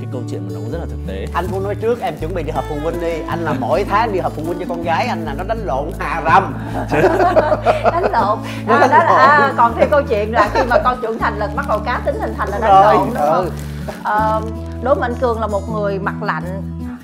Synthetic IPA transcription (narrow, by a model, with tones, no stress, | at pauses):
kaː˨˦jkə˧wt͡ɕwḭ˧˨ənmaː˨˩nɔ˨˦u˧˦zə˦˥t̚la˨˩t̪ɨə˨˩k̚t̪ḛ˧˨ʔa˧jŋ̟kʊ˧˦nɔ˨˦jt͡ɕɨ˦˥ək̚ʔɛ˧mt͡ɕwə˧˩˦nḭ˧˨ɗi˧˩həː˨˩pfʊ˨˩ŋ͡mwə˧nɗi˧ʔa˧jŋlaː˨˩mo̰˧˥˨jt̪ʰaː˨˦ɗi˧həː˨˩pfu˨˧˩ŋwə˧nt͡ɕɔ˧kɔ˧nɣaː˨˦jʔa˧jŋlaː˨˩nɔ˨˦ɗa˨˦jŋ̟lo̰˧˨nhaː˨˩za˧m˧˦ | ɗa˨˦ŋlo̰˧˨n | ʔɔ˨˦˨ɗa˨˦ɗkɔ˨˩nt̪ʰe˧wkə˧wt͡ɕwḭ˧˨ənlaː˨˩xi˧maː˨˩kɔ˧˩nt͡ɕwə˧˩ənt̪ʰa˨˩jŋ̟lɨ˨˩k̚ɓa˦˥k̚ɗə˨˩wkaː˨˦t̪ï˨˦ŋ̟t̪hï˨˩ŋ̟t̪ʰa˨˩jŋlːɗa˨o˧˦˧jj | ʔəː˨˩ | ɗo˨˦jm̰ː˨˧jŋ̟kɨ˨˩əŋlaː˨˩mo˨˩t̚ŋɨ˨˩əjma˨˩k̚la̰˧˨jŋ̟